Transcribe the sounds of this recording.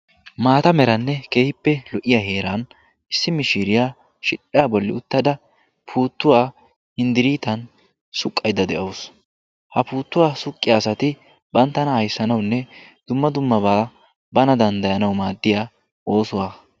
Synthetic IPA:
maːt̪ɐmɛɾɐnːɛke̞ːhɪpːɛlɔʔɪjahe̞ːɾan | ʔɪsːɪmɪʃiːɾɪjaː | ʃɪᶑɪjabɔlːɪʊt̪ːɐd̪ɐ | pʰuːt̪ːʊwaː | hɪnd̪ɪɾiːt̪ɐn | sʊkʼːɐjd̪ɐd̪ɛʔɐws | hɐpuːt̪ːʊwaːsʊkʼːɪjaːsɐt̪ɪ | bɐnt̪ːɐnɐhɐjsːɐnɐwnːɛd̪̥ʊmːɐd̪ʊmːɐbaː | bɐnɐd̪ɐnd̪ɐjɐnɐwmaːd̪ːɪjaː | o̞ːsʊwaː

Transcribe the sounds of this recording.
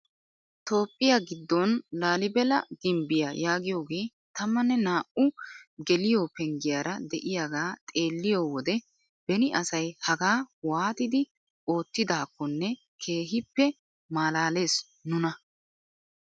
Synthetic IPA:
t̪o̞ːpʼːɪjaɡɪd̪ːɔnlaːlɪbɛlɐ̰d̪̥ɪmbɪjajaːɡɪjo̞ːɡe̞ː | t̪ɐmːɐnːɛnaːʔʊɡɛlɪjoːpɛŋɡɪjaːɾɐd̪ɛʔɪjaːɡaːt̪ʼe̞ːlːɪjoːwɔd̪ɛ | b̥ɛnɪʔɐsɐjhɐɡaːwaːt̪ɪd̪ɪ | o̞ːt̪ːɪd̪aːkːɔnːɛ | kʰe̞ːɦɪpːɛ | maːlaːle̞ːs | nʊnɐ

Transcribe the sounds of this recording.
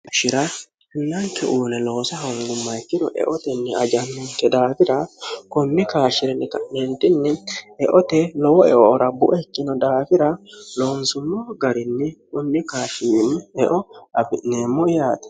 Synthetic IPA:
ʊʃɪɾɐ | hɛnːɐŋkɛ̰ʔuːnɛlo̞ːsɐɦɐŋɡʊmːɐjkːɪd̪ɔʔɛ̰ʔɔt̪ɛnːɛɐd͡ʒɐnːɔnt̪ːɛd̪aːfɪɾɐkʊnːɪkaːʃːɪɾɛnːɪkɐmɛnt̪ɪnːɪɛʔɔt̪ɛlɔwɔɛ̰ʔɔːɾɐbʊʔɛkːɪnɔd̪aːfɪɾɐloːnsʊmːɔɡɐɾɪnːɪkʊnːɪkaːʃɪɾɪnːɛʔɔɐbɪneːmːɔɪjaːt̪ɐ̥

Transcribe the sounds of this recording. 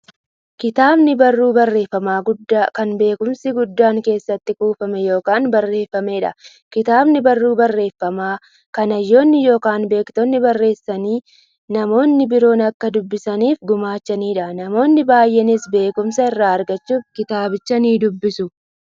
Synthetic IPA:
kɪt̪aːbnɪbɐrːuːbɐrːe̞ːfːɐmaːɡʊd̪ːakɐnbe̞ːkʊmsɪɡʊd̪ːaːŋke̞ːsːɐt̪ːɪkuːfɐmɛjo̞ːkaːnbɐrːe̞ːfːɐmeːᶑɐ̰ | kɪt̪aːbnɪbɐrːuːbɐrːe̞ːfːɐmaː | kɐnɐjːo̞ːnːɪjo̞ːkaːnbe̞ːkt̪ɔnːɪbɐrːe̞ːsːɐniː | nɐmo̞ːnːɪbɪɾo̞ːnɐkːɐd̪ʊbːɪsɐniːfɡʊmaːt͡ʃːɐniːᶑɐnɐmo̞ːnːɪbaːjːʔɛnɪsbe̞ːkʊmsɐɪrːaːɐɾɡɐt͡ʃːuːfkɪt̪aːbɪt͡ʃːɐniːd̪ʊbːɪsʊ

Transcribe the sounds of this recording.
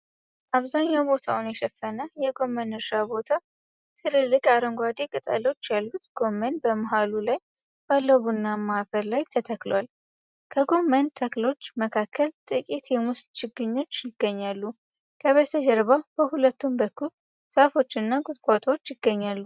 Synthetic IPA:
ʔaβzaɲːawbo̞t̪ʰawunjɛʃɛfːənəjɛɡo̞mənɨɾʃabo̞t̪ʰa | t̪ʰɨlɨlːɨkʼaɾəŋɡʷad̪ekʼɨt̪ʼa̰lo̞t͡ʃːjalːut̪ɡ̥o̞mːənbəmaɦalulaj | b̥alːəβunːamahafəɾlajt̪ʰət̪ʰəklwal | kʰəɡo̞mənt̪ʰəklo̞t͡ʃːməkʰakːəlt̪ʼɨkʼit̪jɛmust̪t͡ʃɪɡɨɲːo̞t͡ʃːjɪɡːəɲːalːu | kʰəβəsəd͡ʒɛɾβab̥əhulət̪ːumbəkʰːul | safo̞t͡ʃːɨnːaɡut̪ʼkʼat̪ʼwot͡ʃːjɪɡːəɲːalːu

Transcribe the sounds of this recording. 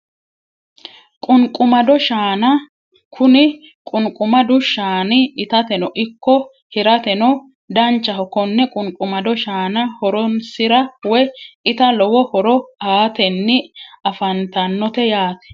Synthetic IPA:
kʼʊnkʼʊmɐd̪ɔʃaːnɐ | kʰʊnɪ | kʼʊnkʼʊmɐd̪ʊʃaːnɪɪt̪ɐt̪ɛnɔʔɪkːɔ | hɪɾɐt̪ɛnɔ | d̪ɐnt͡ʃːɐhɔkɔnːɛkʼʊŋkʼʊmɐd̪ɔʃaːnɐhɔɾɔnsɪɾɐwɛjɪt̪ɐlɔwɔhɔɾɔaːt̪ɛnːɪɐfɐnt̪ɐnːɔt̪ɛjaːt̪ɛ̥

